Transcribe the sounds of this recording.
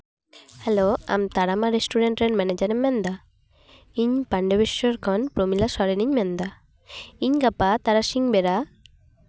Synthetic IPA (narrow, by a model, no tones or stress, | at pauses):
hɛloa̰mt̪aɽamaɾesʈuɾeɳʈɾeɾmɛned͡ʒaɾemːɛnd̪a | iɲpaɳɖebeʃjɔɾkʰɔnpɾomilasɔɾeniɲmɛnd̪a | iɲkapat̪aɾasiŋbeɾa